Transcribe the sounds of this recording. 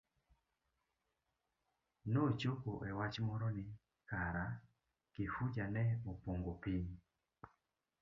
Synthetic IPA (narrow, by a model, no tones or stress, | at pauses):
not͡ʃokoʔɛwat͡ʃmɔɾɔnɪ | kaɾa | kifud͡ʒanɛopoŋɡopiɲ